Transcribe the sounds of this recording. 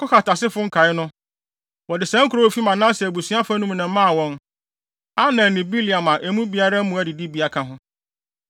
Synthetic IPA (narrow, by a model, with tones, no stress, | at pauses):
kʰɔ˦xa˨tʰa˨sɪ˦fʊ˦ŋ̩˦kʰa˨ɪ˦nʊ̃˦ | wɔ˨dɪ˨sɛ̃˦ŋ̩˦kʰu˨ɾo˦wo˦˨fi˦mã˨nã˦sɛ˨æ˨bu˨sɥa˦fa˦nũ˦m˦nã˨˦mã˦˨wɔ̃˦n | a˦nã˨nĩ˨bi˦li˨a˨mã˨ʔe˨mũ˦bi˨˦a˦ɾa˦m̩˦mũ˨˦æ˨dɪ˨di˦bi˨a˨kʰã˦ɦʊ̃˦